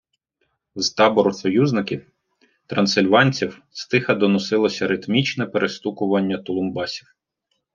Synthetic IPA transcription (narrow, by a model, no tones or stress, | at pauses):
zt̪ɑbɔɾɔsɔjuznɪkʲiw | t̪ɾɐnsɪlʲʋɑnʲt͡sʲiwst̪ɪxɐd̪ɔnɔsɪlˠɔsʲɐɾɪt̪mʲit͡ʃnɛpeɾʔest̪ukʊʋɐnʲːɐt̪ɔlˠʊmbɑsʲiw